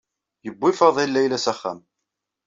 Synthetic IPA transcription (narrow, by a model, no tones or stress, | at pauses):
jəbʷːɪfəðˤilːæjlæsæχːæ̰m